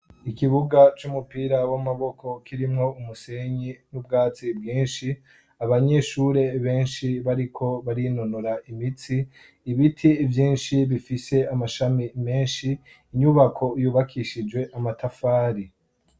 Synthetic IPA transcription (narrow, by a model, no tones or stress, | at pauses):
ikiβuɡat͡ʃumupiːɾawamaβo̞kʰo̞kiɾimŋo̞umuse̞ɲinubɡaːt͡sibɡiːnʃi | aβaɲe̞ʃuɾe̞βe̞ːnʃiβaɾikʰo̞βaɾinonoɾaimit͡siː | βitʰivjiːnʃiβifise̞amaʃamime̞ːnʃiː | ɲuβakʰo̞juːβakʰiʃid͡ʒwe̞ʔamatʰafaːɾi